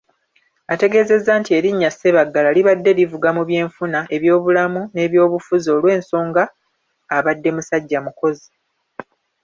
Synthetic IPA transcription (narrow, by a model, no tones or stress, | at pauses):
ate̞ɡe̞ze̞zːaːntie̞ɾiɲːase̞βaɡːalaliβadːe̞ɾivuɡamuβje̞ːɱfunae̞βjo̞ːβulamune̞ːβjo̞ːβufuzo̞lwe̞ːnso̞ːŋɡaː | βadːe̞musaɟːamuko̞zi